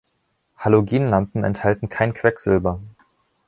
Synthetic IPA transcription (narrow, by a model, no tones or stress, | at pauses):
haloɡiːnlampm̩ɛ̰nthaltn̩kʰaɪnkʰv̥ɛkz̥ʏlbɐ